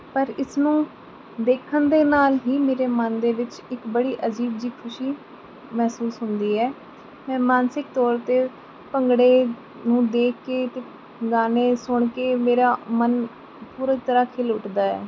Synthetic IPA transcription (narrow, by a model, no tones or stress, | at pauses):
pəɾɪsnũː | d̪eːkʰənd̪eːnaːlɦiːmeːɾeːmənd̪eːʋɪt͡ʃɪkbəɽiːʔəd͡ʒiːbd͡ʒiːkʰʊʃiː | mɛːsuːsɦʊnd̪iːɛː | mɛ̃ːmaːnsɪk̚t̪ɔːɾt̪eː | pəŋɡɽeː | nũːd̪eːkːeːt̪eː | ɡaːneːsʊɳ̃keːmeːɾaːmən | puːɾət̪əɾaːkʰeːlʊʈd̪aːɛ̰ː